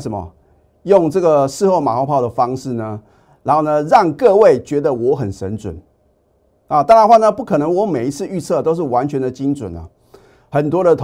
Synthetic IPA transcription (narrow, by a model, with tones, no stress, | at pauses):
ʂə˨˩nmɐ̰˨ | jʊ˥˧ŋʈ͡ʂɤ˥˩ɡə˩ʂɻ̩˥˧xo˥˩ʊma̰˨˩xo˥˧ʊpʰɑ˥˩ʊd̪ə˩fɑ˥ŋʂɻ̩˥˩nə˩ | ɻa˧˥nxo˥˩ʊnə˧ɻɑ˥˧ŋkɤ˥˧we˥˩ɪt͡ɕɥɛ˧˥d̪ə˧wɔ˧˥xə˨˩nʂə̰˧˥nt͡swə̰˨˩n | a˨˩t̪a˥˧ɻa˥˧˥xwa˥˩nə˧pu˥˩kʰɤ˨˩nɤ˧˥ŋwɔ˧˥me˨˩ɪi˦t͡sʰɹ̩˥˧y˥˧t͡sʰɤ˥˩t̪o˥ʊʂ̬ɻ̩˥˩wa˧˥nt͡ɕʰɥɛ˧˥nd̪ə˨t͡ɕi˥ŋt͡sə̰˨˩nə̰˦ | xə˨˩nt̪wɔ˥ɾə˨t̪ʰ